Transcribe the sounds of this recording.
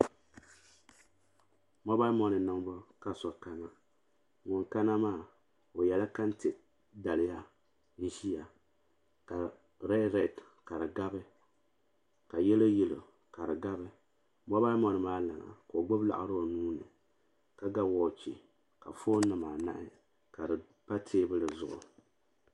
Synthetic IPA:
mɔ˦ba˦mɔ˦nɨ˨nɨ˦m˦bɔ˦ka˦sɔ˨ka˦na˦ | ŋʊ˨ŋka˦na˦maː˦˨ | o˨jɛ˨la˦ka˦n˦te˨ | da˨lɪ˦ja˦ | n̩˦ʒi˦ja˨ | ka˨ | ɾɛ˦ɾɛ˨t | ka˨ɾɨ˨ɡa˦bɨ˦ | ka˨jɛ˦lɨ˦ji˦lɨ˨ | ka˨ɾɨ˨ɡa˦bɨ˦ | mɔ˦ba˦mɔ˨nɨ˨maː˦la̰˨ŋa̰˨koː˨ɡ͡bʊ˦bla̰˨ʔa̰˦ɾɨ˦o˨nuː˦nɨ˨ | ka˦ɡa˦wɔ˨˦˨t͡ʃi˨ | ka˨fo˦nɨ˨maː˨na̰˦ʔɪ˦ | ka˨dɨ˨ | pa˦tʰeː˦bɨ˦lɨ˨zʊ˦ʔʊ̰˨

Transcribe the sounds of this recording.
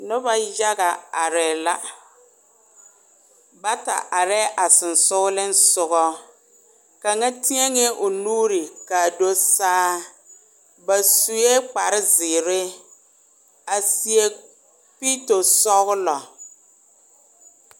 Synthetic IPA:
nʊ˦ba˦ja˦ɣa˨a˨ɾɛː˨la˦ | ba˦ta̰˨ʔa˨ɾɛː˦ʔa˨sɪ˨nsʊ˦ɣʊ˦lɪ˦n˦sʊ˨ɣɔ˦ | ka˨ŋa˦ti˦ɛ˦ŋɛ˦ʔʊ˨nuː˦ɾɪ˨ka˨do˦saː˦ | ba˨su˨je˦k͡pa˨ɾɪ˦zɪː˨ɾɪ˦ | a˨si˨e˦ | piː˦to˨sɔ˦ɣʊ˦lɔ˨

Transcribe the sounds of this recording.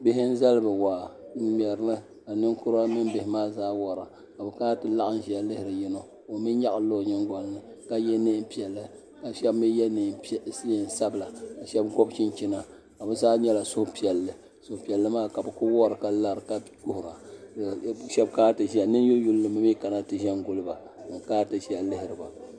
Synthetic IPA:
bɪ˦ɦɪ˦n̩˦za˦lɨ˦bɨ˨waː˨˦m˨ɛ˨ɾɨ˦nɨ˦ | ka˨nɨ˦ŋkʊ˦ɾa˦mɨ˦n˦bɪ˨hɪ˨maː˦zaː˦wɔ˨ɾa˨ | ka˨bɨ˨kaː˦tɨ˨la˦ʔɨ˦n˦ʒi˨˦a˦lɨ˦hɪ˨ɾɨ˨jɪ˦no˦ | o˨mi˦ɲa˦ʔa˨˦lo˦˨ɲɪ˦ŋɡʷɔ˨lnɨ˦ka˦jɛ˦nɨ˦mpi˦˨ɛ˨lːɨ˦ | ka˨ʃɛ˦bmi˦jɛ˦n˨˦i˦n˨sa˦bla˨ka˨ʃɛ˦bɡɔ˦bt͡ʃi˦nt͡ʃi˦na˨ | ka˨bɨ˦zaː˦ɲɛ˦la˨sʊ˦hpi˨ɛ˨lːɨ˨ | sʊ˨hpi˨ɛ˨lːɨ˦maː˦ka˨bɨ˨kʊ˦wɔ˦ɾɨ˨ka˦la˦ɾɨ˨ka˦kʊ˦hʊ˨ɾa˨ | ʃɛ˦bkaː˦tɨ˨ʒi˦a˨nɨ˦n˦jo˦ju˦llɨ˦mɨ˦mi˦ka˨na˦tɨ˨ʒɛ˦nɡʊ˦˨lɨ˦ba˨ | ɨ˨kaː˦tɨ˦ʃi˦a˨lɪ˦hɪ˨ɾɨ˨ba˨

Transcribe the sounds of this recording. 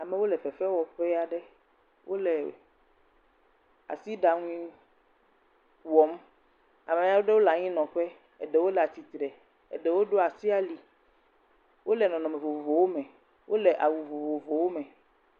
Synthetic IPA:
a˨mɛ˨wo˦lɛ˨fɛ˨fɛ˦wɔ˨ɸɛ˦a˨ɖɛ˦ | wo˦lɛ˨ | a̰˨si˦ɖa˨ŋũ˦ĩ˦ | wɔ˨m˦ | a˨mẽ˨ja˦wo˦ɖe˦wo˦la˨ɲĩ˦nɔ̃˨ɸɛ˦ | e˨ɖe˨wo˦la˨t̪i˨t̪ɾɛ˨ | ḛ˨ɖe˨wo˦ɖo˦a˨si˦a˦li˨ | wʔo˦lɛ˨nɔ̃˨nɔ̃˨mẽ˨vo˨vo˨vo˨wo˦mɛ̃˨ | wʔo˦le˨ʔa̰˨wu˨vo˨vo˨vo˨wo˦mɛ̃˨

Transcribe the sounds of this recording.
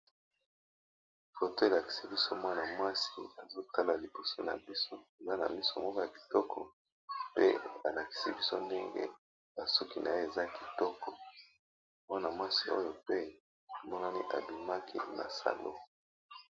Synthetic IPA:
fo˨to˦e˨la˨ki̥˨si˦bi˦so˦mwa˦na˨mwa˦si˦a˨zo˦ta˦la˨li˨bo˨so˦na̰˨bi˦so˦e˨za˦na̰˨mi˦so˦mɔ˦kɔ˦ja˨ki̥˨tɔ˦kʰɔ˨ | pḛ˦a˨la˨ki̥˨si˦bi˦so˦nde˦ŋɡḛ˦ | ba˨su˦ki˨na˨je˦e˨za˦ki˨tɔ˦kɔ˨ | mwa˦na˨mwa˦si˦ʔo̰˦jo˨pe˦ | o˨mɔ˦na˦ni˦ʔa̰˨bi˨ma˦ki˦ma̰˨sa̰˨lo̰˦

